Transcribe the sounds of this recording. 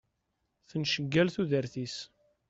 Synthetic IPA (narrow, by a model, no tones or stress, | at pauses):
θənʃəɡːælθuðəɾθis